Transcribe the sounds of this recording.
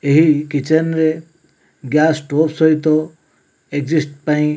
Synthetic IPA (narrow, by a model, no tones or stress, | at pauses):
eɦikit͡ʃənɾe | ɡjaːsʈoːpsɔit̪ɔ | eɡzisʈ̚paĩ